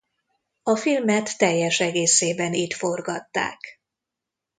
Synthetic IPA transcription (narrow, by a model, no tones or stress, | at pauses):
ɒfilmɛt̪ːɛjːɛʃɛɡeːseːbɛniːt̪fo̞rɡɒt̪ːa̰ːk